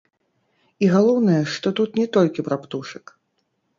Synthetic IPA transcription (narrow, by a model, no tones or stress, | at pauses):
iɣalˠɔwnɐjɛʂt̪ɔt̪ut̪nʲɛt̪ɔlʲkʲipɾapt̪uʂɨk